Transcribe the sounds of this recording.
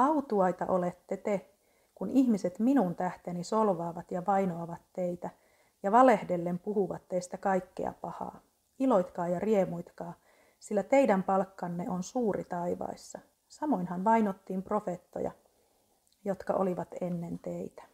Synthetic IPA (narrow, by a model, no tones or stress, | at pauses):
ɑut̪uɑjt̪ɑ̰ʔolet̪ːet̪e | kunihmiset̪minunt̪æht̪enisolʋɑːʋɑt̪jɑʋɑjnoɑʋɑt̪ːeit̪æ | jɑʋɑlehdelːempuhuʋɑt̪ːeist̪ækɑikːḛɑ̰pɑhɑ̰ː | ilo̞jt̪kɑːjɑriemujt̪kɑː | silːæt̪eidæmpɑlkːɑnːeʔonsuːɾḭt̪ɑiʋɑ̰isːɑ | sɑmo̞inhɑnʋɑinot̪ːiːmpro̞fet̪ːo̰jɑ̰ | jot̪kɑ̰ʔo̰liʋɑt̪enːent̪eit̪æ̥